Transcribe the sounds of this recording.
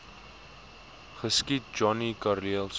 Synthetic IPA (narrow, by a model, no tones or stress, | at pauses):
χəskit̚d͡ʒɔnikarliəlˠs